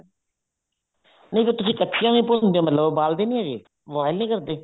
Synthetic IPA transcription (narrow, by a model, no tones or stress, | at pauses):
nə̃ĩp̪əːt̪ʊsĩːkəʈːʃʰijãĩːpond̪eːõːmət̪ləbbaːld̪eːnĩːaːɡeː | ʋaːɪlnĩːkəɾd̪eː